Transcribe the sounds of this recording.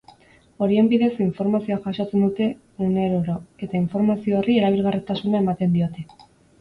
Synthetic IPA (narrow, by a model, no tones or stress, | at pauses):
o̞ɾje̞mpiðe̞siɱfo̞ɾmasjaxaʃot͡s̪end̪ut̪e̞ | uneɾoɾoe̞t̪aiɱfo̞ɾmaθjoerieɾaβilɣaret̪asunaemat̪e̞nd̪iot̪e